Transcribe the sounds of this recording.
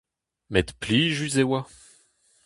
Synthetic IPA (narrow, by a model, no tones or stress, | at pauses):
mɛt̪pliʒyzewa